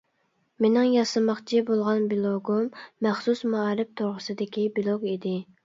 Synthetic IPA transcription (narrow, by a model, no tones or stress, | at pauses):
menɪŋjɑsɨmɑχt͡ʃʰibolˠʁɑnbilˠoɡumːæχsusmɑɑɾɪp̚t̪ʰoɾʁəsɨd̪ɪkʲibilˠoɡid̪ɪ